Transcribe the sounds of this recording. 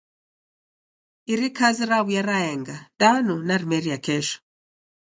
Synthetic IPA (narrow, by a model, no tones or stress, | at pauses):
iɾikaziɾaβujaɾaɛŋɡadanunaɾimɛɾiakɛʃɔ̥